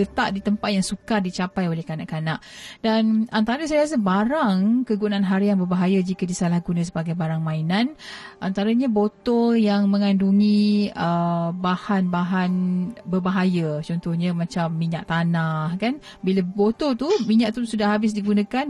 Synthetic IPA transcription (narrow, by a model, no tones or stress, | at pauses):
ət̪aʔdit̪əmpat̪̚jaŋsukardit͡ʃapajolɛhkana̰ʔkanaʔdanant̪aɾəsajas̬abaɾaŋkəɡunanɦaɾiaŋbərbaɦajad͡ʒikadisalahɡunə̃s̬əbaɡajbaɾaŋmãinan | ʔant̪aɾaɲabot̪ɔjaŋmə̃ŋanduŋĩəbahanbaɦanbərbaɦajət͡ʃɔnt̪ɔhɲəmat͡ʃamːiɲa̰ʔt̪anahkan | bilabot̪ot̪umiɲaʔt̪usudahabɪs̬diɡunə̃kan